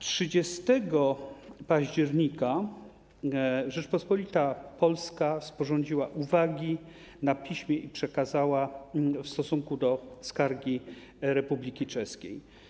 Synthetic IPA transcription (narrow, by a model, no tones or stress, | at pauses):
tʂɘd͡ʑɛst̪ɛɡɔpaʑd͡ʑɛɾɲika | ʐɛt͡ʂpɔspɔlʲit̪apɔlskaspɔʐɔɲd͡ʑiwaʔuvaɡʲi | napʲiɕmʲjɛʔipʂɛkazawafst̪ɔsuŋkud̪ɔskaɾɡʲi | ɾɛpublʲikʲit͡ʂɛskʲḛj